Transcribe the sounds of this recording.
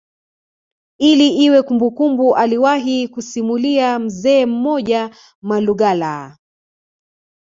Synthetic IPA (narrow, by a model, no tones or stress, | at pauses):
iliʔiwɛkumbukumbuʔaliwaɦikusimuliam̩zɛːm̩mɔʄa | maluɠala̰